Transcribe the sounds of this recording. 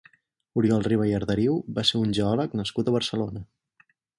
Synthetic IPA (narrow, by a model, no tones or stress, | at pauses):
uɾjɔlˠriβəjəɾðəɾiwbaseunʲʒəɔləknəskut̪əβ̞əɾsəlonə